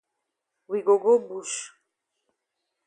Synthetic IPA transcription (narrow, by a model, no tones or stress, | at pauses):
wiɡɔɡɔbuʃ